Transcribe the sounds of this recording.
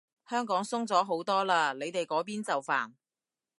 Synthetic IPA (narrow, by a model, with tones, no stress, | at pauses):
hœː˥ŋkɔː˨˥ŋsʊ˥ŋt͡sɔː˨˥ɦo˨˥wt̪ɔː˥laː˧le˨˧jt̪e˨jkɔː˨˥p̬iː˥nt͡sɐ˨wfa̰ː˨˩n